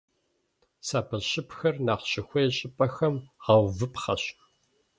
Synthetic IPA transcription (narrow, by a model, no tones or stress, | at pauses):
saːpʰɐɕɪpxɐrnaːqɕɪxʷejɕʼɪpʼɐxɐmʁɑwvɨpʰχɐɕx